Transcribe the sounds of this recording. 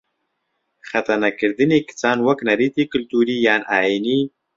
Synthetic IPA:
xat̪aɾnakɪɾd̪ənekɪ̥t͡sɑːnwaknaɾit̪ikʊlt̪uɾijɑnʔɑini

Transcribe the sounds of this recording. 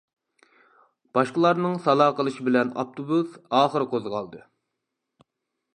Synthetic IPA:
b̥ɑʃqəlˠɑɾnɨŋsɑlˠɑːqəlˠɨʃibɪlɛnɑ̰p̚t̪ʰobusɑːχəɾɨqʰozʁɑlˠd̪ɨ

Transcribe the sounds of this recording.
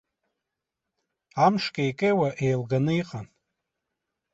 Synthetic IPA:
amʂkʲʼejkʼejwaʔejlɡanɨiqʼan

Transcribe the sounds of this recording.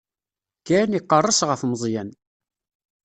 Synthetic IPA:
kːæniqːərˤːəsʁəfməzˤjæn

